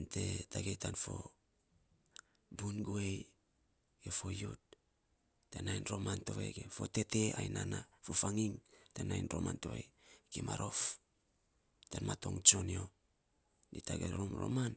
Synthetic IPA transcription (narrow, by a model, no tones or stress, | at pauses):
nte̞taɡetanfo̞ | bunɡoej | ɡ̥efo̞jot̚ | tenajnɾo̞manto̞ḛɡefo̞te̞te̞ajnanafofaŋiŋtenajnɾoma̰ntoḛjkemaɾo̞f | tanmato̞̰ŋt͡ʃo̞nio | ditaɡeɾomɾo̰man